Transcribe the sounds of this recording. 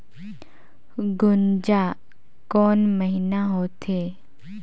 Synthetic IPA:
ɡʊnd͡ʒa | kɔːnməɦinaɦot̪ɦeː

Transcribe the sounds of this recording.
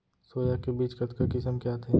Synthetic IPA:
soːjakebiːt͡ʃkɐt̪kakɪsəmkjaːt̪ʰeː

